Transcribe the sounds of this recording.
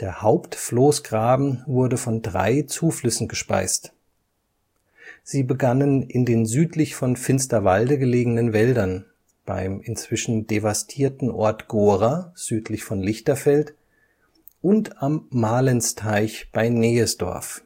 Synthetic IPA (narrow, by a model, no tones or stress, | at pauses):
d̥eːɐhaʊptfloːsɡ̥ʁaːbm̩vʊɐdəfɔndʁa̰ɪt͡suːflʏsn̩ɡəʃpa̰ɪst | z̥iːbəɡanənɪndeːnzyːtʰlɪçfɔnfɪnstɐvaldəɡəleːɡənənvɛldɐn | b̥a̰ɪmɪnt͡sv̥ɪʃn̩devastʰiːɐtn̩ʔɔ̰ɐtɡ̥oːʁaz̥yːtʰlɪçfɔnlɪçtɐfɛlt | ʔʊntamːaːlənstʰaɪçb̥aɪneːəsd̥ɔ̰ɐf